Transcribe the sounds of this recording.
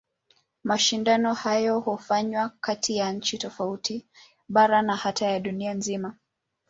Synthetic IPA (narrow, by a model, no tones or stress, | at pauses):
maʃindanɔhajɔhɔfaɲwakatʰijaɲ̩t͡ʃitɔfautʰi | ɓaɾanahatajaɗunianzima